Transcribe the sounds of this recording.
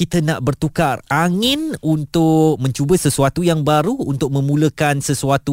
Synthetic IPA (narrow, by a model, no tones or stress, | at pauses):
it̪ənaʔbərt̪ukaraŋɪ̃nunt̪ʊk̚mə̃ɲt͡ʃubəsəsuat̪ujaŋbaɾuːnt̪ʊk̚mə̃mũləkansəsuat̪u